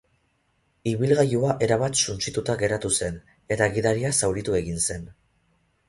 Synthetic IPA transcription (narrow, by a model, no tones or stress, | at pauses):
iβilɣajuaʔe̞ɾaβat̪sunt͡sit̪ut̪aɡe̞ɾat̪use̞n | e̞t̪aɣiðaɾiasawɾit̪ue̞ɣinse̞n